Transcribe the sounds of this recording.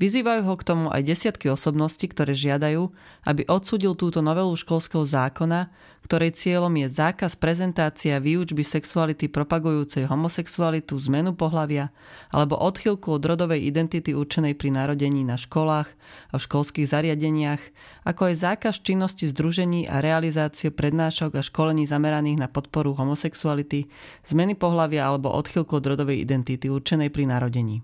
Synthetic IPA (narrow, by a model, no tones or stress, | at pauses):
ʋiziːʋajuːɦɔkt̪ɔmuʔa̰jɟɛsɪat̪kiɔsɔbnɔscikt̪ɔɾɛːʒɪad̪ajuː | ʔa̰biʔɔt̪suːɟilt̪uːt̪ɔnɔʋɛluʃkɔlskɛɦɔzaːkɔna | kt̪ɔɾɛjt͡sɪɛlɔmjɛzaːkaspɾɛzɛnt̪aːt͡siaʋiːud͡ʒbisɛksualit̪ipɾɔpaɡujuːt͡sɛjɦɔmɔsɛksualit̪uzmɛnupɔɦlaʋɪa | a̰lɛbɔ̰ʔɔt̪xilkuɔd̪ɾɔd̪ɔʋɛjʔid̪ɛnt̪it̪iuɾt͡ʃɛnɛjpɾinaɾɔɟɛɲiːnaʃkɔlaːx | afʃkɔlskiːɣzaɾɪaɟɛɲɪax | akɔajzaːkast͡ʃinːɔscizd̪ɾuʒɛɲiːʔa̰ɾɛalizaːt͡siɛpɾɛd̪naːʃɔɡaʃkɔlɛɲiːzamɛɾaniːɣnapɔt̪̚pɔɾuɦɔmɔsɛksualit̪i | z̥mɛnipɔɦlaʋɪaalɛbɔ̰ʔɔ̰t̪xilkuɔd̪ɾɔd̪ɔʋɛjḭd̪ɛnt̪it̪iuɾt͡ʃɛnɛjpɾinaɾɔɟɛɲiː